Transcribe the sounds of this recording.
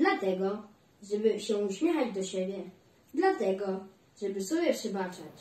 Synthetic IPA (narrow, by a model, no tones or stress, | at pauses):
d̪lat̪ɛɡɔ | ʐɛbɘɕɛuɕmʲjɛxad͡ʑd̪ɔɕɛbʲjɛ | d̪lat̪ɛɡɔ | ʐɛbɘsɔbʲjɛpʂɘbat͡ʂat͡ɕ